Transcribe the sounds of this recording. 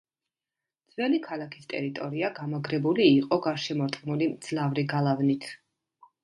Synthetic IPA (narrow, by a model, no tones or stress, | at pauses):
d̪z̥vɛlikʰalakʰi̥st̪ʼɛ̰ɾit̪ʼɔɾiaɡamaɡɾɛbuliːqʼɔɡaɾʃɛmɔɾt̪ʼqʼnulimd̪z̥lavɾiɡalˠavnit̪ʰ